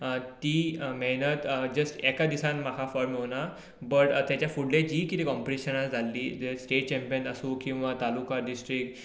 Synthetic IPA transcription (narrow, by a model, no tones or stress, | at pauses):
t̪iːmɛɦnət̪d͡ʑəsʈɛkad̪isãnmakʰafɔɾmɦona | bəʈt̪jat͡ɕjafuɽled͡ʑiːkit̪ekɔ̃mpiʈiɕənasd͡zʱalːiːdesʈeʈ̚t͡ɕɛ̃mpijənəsũːkĩw̃ʋat̪alukaɖisʈɾik̚ʈ